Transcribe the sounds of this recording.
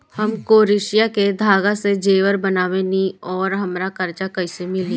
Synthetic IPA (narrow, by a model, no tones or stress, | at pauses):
hɐmkoːɾɪʃijaked̪ʱaːɡased͡ʒeːʋəɾbɐnaːʋenĩɔːɾɦɐmɾakɐɾt͡ʃakɐɪsemɪli